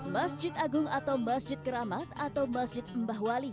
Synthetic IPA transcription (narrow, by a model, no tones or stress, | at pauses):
masd͡ʒɪt̪aɡʊŋat̪awmasd͡ʒɪt̪̚kəɾamat̪at̪awmasd͡ʒɪt̪̚əmbaɦwali